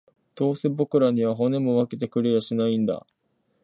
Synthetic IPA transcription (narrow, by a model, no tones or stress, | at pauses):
t̪o̞ːsɨbo̞kɯ̟ɾaɲ̟iβ̞aɦo̞ne̞mo̞βake̞t̪e̞kɯ̟ɾeɾaɕinaĩnd̪a̰